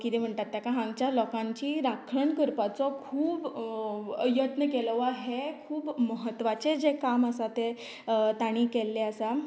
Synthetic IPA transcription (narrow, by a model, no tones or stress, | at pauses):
kit̪em̤əɳʈ̪at̪ːjakaɦãŋɡt͡ɕjalɔkãɲt͡ɕiːɾakʰɭəɳkəɾpat͡sɔkʰuːb | jət̪nəkelʋaɦekʰuːbməɦət̪ːʋat͡sed͡zekaməsat̪e | t̪aɽ̃iːkelːeəsa